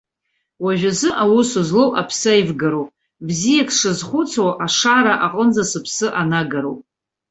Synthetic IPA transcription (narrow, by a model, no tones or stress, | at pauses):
waʒᶣazɨʔawusuzlowʔapʰsajvɡaɾowpʼ | bzijakʰʂɨzχʷʊt͡sʰwaʔaʂaɾaʔaqʼənd͡zasɨpʰsɨʔanaɡaɾowpʼ